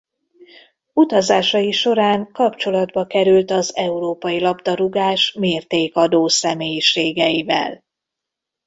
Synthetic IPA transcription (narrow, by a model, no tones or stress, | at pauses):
ut̪ɒzaːʃɒjiʃo̞ɾaːŋkɒpt͡ʃo̞lɒd̪bɒkɛɾylt̪ɒzɛuɾoːpɒjilɒbd̪ɒɾuɡaːʃmeːrt̪eːkɒd̪oːsɛmeːjiʃeːɡɛjivɛ̰l